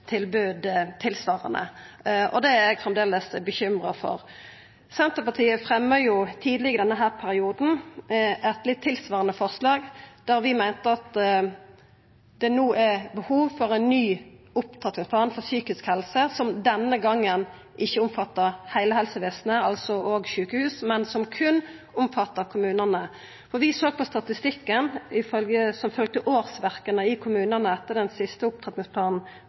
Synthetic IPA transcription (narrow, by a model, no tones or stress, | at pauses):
t̪ʰɪlbʉːd̪t̪ʰːɪlsʋɑːʁə̰nə̰ʔɔ̰d̪ɛɛɡfʁɛmd̪eːləsbəçʏmʁəfɔ̰ʁ | sɛnt̪əpɑt̪ʰiːəfʁɛmːəjʊt̪ʰiːd̪lɪɡəd̪ɛnːəɦæːʁpʰæɾɪuːd̪n̩ | ɛt̪lɪt̪ʰːɪlsʋɑːʁənəfɔʁslɑːɡd̪æʁʋɪmæɪnt̪əɑt̪ | d̪̥ɛnoːʔæbəhuːʋfɔʁɛɪnːyː | ʊpt̪ʰʁɛt̪nɪŋspʰlɑːnfɔsyːkɪskhɛlsəsɔmd̪ɛnːəɡɑŋːən | ʔɪçːəʊmfɑt̪ːəʁhæɪləhɛlsəʋeːsnəɑlsɔoːɡʃʉːkəhʉːsmɛnsɔmkʰʉn | ʊmfɑt̪ːəkʰʊmʉːnənə | fɔʋɪsoːɡ̚pʰɔst̪ɑt̪ɪst̪ɪkːənɪfœlɡəsɔmfœlɡ̚t̪əʔoːʁsʋæʁkənəɪkʰʊmʉːnənəɛt̪ːəʁd̪ɛnsɪst̪əʊp̚t̪ʰɛt̪nɪŋspʰlɑːnn̩